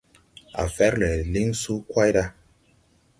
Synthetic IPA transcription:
a̰˨fɛ˦ɾlɛ˨li˦ŋsu˦kwa˦jda˦

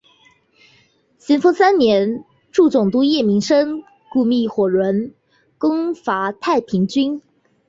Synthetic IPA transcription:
ɕɛ˧˥nfɤ˥ŋsa˥nnjɛ˧˥n | ʈ͡ʂu˥˩t͡sʊ˨˩ŋt̪u˥jɛ˥˩mi˧˥ŋʂɤ˥ŋ | ku˥˧mi˥˩xwɔ˨˩ɻwə˧˥n | kʊ˥ŋfa˧˥t̪ʰa˥˩ɪpʰi˧˥ŋt͡ɕy˥n

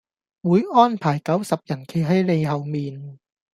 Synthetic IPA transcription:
wuː˨˥jʔɔː˥˩npʰaː˨˩jkɐ˨˥wsɐ˨p̚jɐ˨˩nkʰe˨˧˩ɦɐ˨˥˩jle˧jɦɐ˨˩wmiː˨˧n

